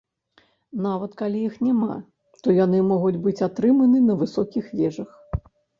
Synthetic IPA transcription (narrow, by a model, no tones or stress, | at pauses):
navɐt̪kalʲijixnʲama̰ | t̪ɔjanɨmɔɣud͡zʲbɨt͡sʲat̪ɾɨmɐnɨnɐvɨsɔkʲixvʲɛʐɐx